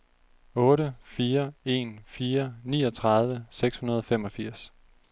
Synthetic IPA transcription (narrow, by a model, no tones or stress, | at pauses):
ɔ̽ːɾəfiːɐe̝̰ːnfiːɐniːɒ̽t͡sʰʁɑ̈ð̞ˠʋəseɡ̥shunɐð̞ˠɒ̽fem̰ɒ̽fiɐ̰s